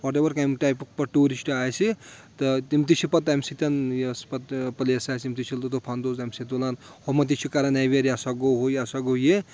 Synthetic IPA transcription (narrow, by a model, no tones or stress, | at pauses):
wɔʈ̬ebɐɾkajmʈajpuk̚pɐʈuːɾisʈaːjsit̪ɐt̪imt̪it͡ʃʰipɐt̪ːajmsit̪ʲɐnjespɐt̪pɐleɐsaːjsimt̪it͡ʃʰilt̪ot̪opʰand̪oːzamset̪ulaːnhomɐt̪it͡ʃʰikaɾɐnajʋeɾjasaɡoɦojasaɡoje